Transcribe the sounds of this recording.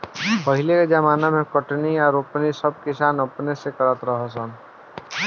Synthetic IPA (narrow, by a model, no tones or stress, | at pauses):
pəɦɪlekad͡ʒəmaːnamẽkəʈniɔːɾopnisəb̚kɪsaːnəpnesekəɾət̪ɾəɦasən